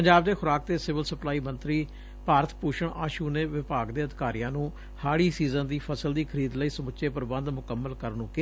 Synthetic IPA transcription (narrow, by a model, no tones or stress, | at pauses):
pəɲd͡ʒaːbd̪eːxʰʊɾaːk̚t̪eːsɪʋəlsəplaːiːmə̃nt̪ɾiː | paːɾət̪ʰpuːʃəɳaːʃuːneːʋɪpaːɡd̪eːəd̪ɪkaːɾijãːnũː | haːɽiːsiːzənd̪iːpʰəsəld̪iːkʰəɾiːd̪ləiːsəmʊʃeːpəɾbə̃nd̪mʊkəmːəlkəɾnũːkɪ